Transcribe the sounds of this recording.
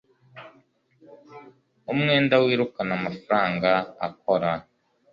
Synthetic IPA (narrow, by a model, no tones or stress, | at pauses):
umŋe̞ːndawiːɾukanamafaɾaːŋɡaa̰k̚oɾa